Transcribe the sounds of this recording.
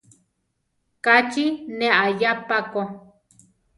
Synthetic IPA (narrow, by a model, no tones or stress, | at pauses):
kat͡ʃinẽʔajapako